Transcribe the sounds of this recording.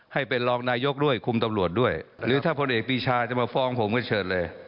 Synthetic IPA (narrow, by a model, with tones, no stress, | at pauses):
ha˥˩jpe˧nlɔː˧ŋnaː˧jo˦˥k̚du˥˩əjkʰu˧mt̪a˧mɾu˨˩ət̪̚du˥˩əjɾɯː˨˦t̪ʰaː˥˩pʰo˧nʔeː˨˩k̚piː˧t͡ɕʰaː˧t͡ɕa˨˩maː˧fɔː˧ŋpʰo˩˦mkɔː˥˩t͡ɕʰɤː˨˩n̚lɤː˧j